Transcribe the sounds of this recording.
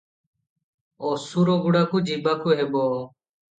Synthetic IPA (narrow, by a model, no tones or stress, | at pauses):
oːsuːɾoːɡʊɽaːkuːd͡ʒiːɓaːkʰuːɦeːɓoː